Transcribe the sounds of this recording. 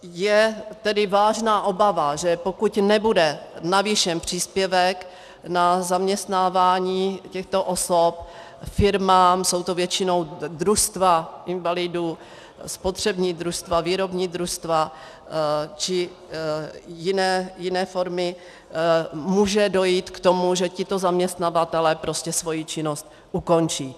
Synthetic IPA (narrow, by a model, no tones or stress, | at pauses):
jɛt̪ɛdɪvaːʒnaːʔo̞bavaʒɛpokucnɛbudɛnaviʃɛmpr̝̥iːspjɛvɛk | nazamɲɛst̪naːvaːɲiːcɛxt̪o̞ʔosop̚ | fɪɾmaːmso̞wt̪ovjɛt͡ʃɪno̞wd̪ɾust̪vaʔɪnvalɪdu | spot̪r̝̥ɛbɲiːd̪ɾuʃst̪vaviːɾo̞bɲiːd̪ɾust̪va | t͡ʃɪ | jɪnɛːjɪnɛːfo̞ɾmɪ | muːʒɛdo̞jiːt̪kt̪o̞muʒɛcɪt̪o̞zamɲɛst̪navat̪ɛlɛːpɾo̞scɛsvo̞jit͡ʃɪnost̪ | ʔuko̞nt͡ʃiː